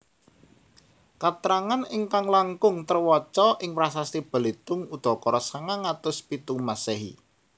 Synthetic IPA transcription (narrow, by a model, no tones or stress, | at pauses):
kat̪ɾaŋanɪŋkaŋlaŋkʊŋt̪ərwɔt͡ʃɔʔɪŋpɾasast̪ib̥ə̤let̪ʊŋud̪̥ɔ̤kɔɾɔsaŋaŋat̪ʊspit̪uŋmasɛɦḭ